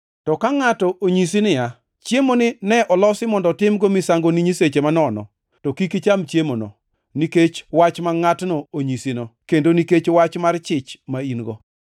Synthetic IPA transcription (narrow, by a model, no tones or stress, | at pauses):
tɔkaŋatɔʔoɲis̬inɪja | t͡ʃjemonɪnɛʔɔlɔsɪmɔndɔtɪmɡomisaŋɡoniɲiset͡ʃemanɔnɔ̰ | tɔkikit͡ʃamt͡ʃjemonɔ̰ | niket͡ʃwat͡ʃmaŋatnooɲisinɔkendoniket͡ʃwat͡ʃmart͡ʃɪt͡ʃmainɡɔ